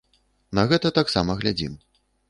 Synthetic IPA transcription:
nɐɣɛt̪ɐt̪aksamɐɣlʲad͡zʲḭm

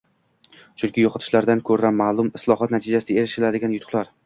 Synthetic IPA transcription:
t͡ʃʰʊŋkʲɪjɒqʰɑt̪ʰɪ̥ʃlaɾd̪ankʲʰɵɾanmːaːlˠʊmɪslˠɒhɒt̪nat̪ʰɪd͡ʒasɪd̪aeɾɪʃɪlad̪ɪɡʲanjʊt̪ʰʊ̥χlˠaɾ

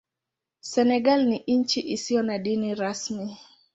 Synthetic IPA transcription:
sɛnɛɡalniʔiɲt͡ʃiʔisiɔnadiniɾasmi

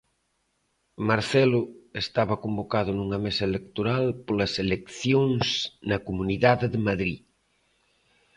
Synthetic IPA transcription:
maɾθɛlʊest̪aβɐkombokaðʊnuŋɐmesɐelekt̪oɾalpolɐselekθjoŋsnɐkomuniðaðeðɪmaðɾi

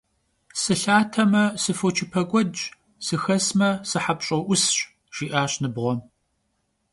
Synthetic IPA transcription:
sɨɬaːtʰɐmɐsɨfot͡ʃʰɪpʰɐkʷʼɔd | sɨxɐsmɐsɨħapɕʼɐʔʷʊsɕ | ʒ̥iːʔaːɕnɨbʁʷɔm

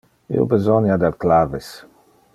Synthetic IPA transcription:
ḛbezɔnjad̪alklaves

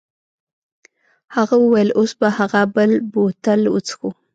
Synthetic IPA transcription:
haɣawəwajəlosbahaɣabəlbot̪alʊ̰t͡sxu

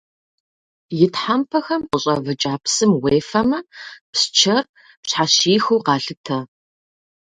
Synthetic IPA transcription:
jɪtħampʰɐxɐmqʷʊɕʼɐvɨt͡ʃʼaːpsɨmweːfɐmɐpst͡ʃʰɐr | pɕħaɕiːxuwqɑːɬɨtʰɐ

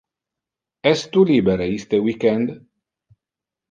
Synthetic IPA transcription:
ɛst̪ulibeɾeist̪ewikɛnd̪

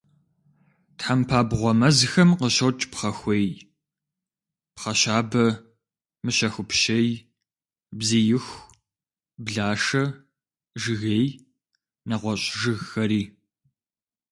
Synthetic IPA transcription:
tħampʰaːbʁʷɔmɐzxɐmqəɕɐwt͡ʃʼpχɐxʷej | pχɐɕaːbɐ | mɨɕɐxʷʊpʃɐj | bzɨjɪxʷ | bɮaːʂɐ | ʒɨɣej | nɐʁʷɔɕʼʒɨɣxɐɾiː

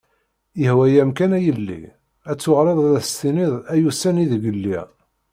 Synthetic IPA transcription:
jəhwæjæmkænæjəlːḭ | æt͡sːʊʁɾeðˤðæθst̪iniðˤæjusæniðəɡəlːi

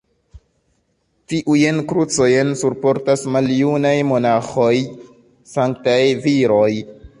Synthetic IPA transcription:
tiʔujenkɾut͡so̞jensuɾpo̞ɾtasmaljunajmo̞naxo̞j | saŋk̚tajviɾo̞j

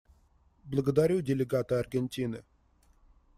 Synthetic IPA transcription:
blˠəɡəd̪aɾʲudʲɪlʲɪɡat̪əɐrɡʲenʲtʲinɨ

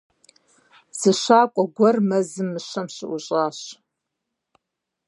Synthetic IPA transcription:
z̥ɨɕʷaːkʷʼɔɡʷɐrmɐzɨmːɨʃɐmɕɪʔuɕʼaːɕ

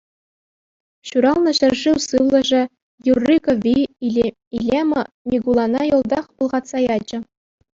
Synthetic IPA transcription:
ɕuɾɑlˠnɤ̆ɕɘ̆rʐiwsɯʋlˠɤ̆ʐɘ̆ | jurːikovʲi | ilʲemɤ | mʲiɡulˠɑnɑjŏlˠd̪ɑχpulˠʁɑt̪sɑjɑd͡ʑɘ̆

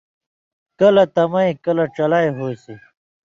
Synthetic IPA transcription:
kɐlɐt̪ɐmɐĩkɐlɐʈ͡ʂɐlajɦoːsi

